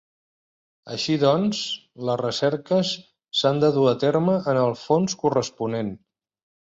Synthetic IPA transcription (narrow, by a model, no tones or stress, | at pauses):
ə̰ʃiðɔns | ləzrəsɛɾkəsː | and̪əðuət̪eɾməʔənəlˠfonskurəspunen